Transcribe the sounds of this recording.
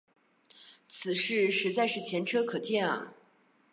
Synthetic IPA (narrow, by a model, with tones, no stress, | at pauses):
t͡sʰɹ̩˨˩ʂɻ̩˥˩ʂɻ̩˧˥t͡sa˥˧ɪʂɻ̩˥˩t͡ɕʰjɛ˧˥nʈ͡ʂʰɤ˥kʰɤ˨˩t͡ɕjɛ˥˩nɐ̰˩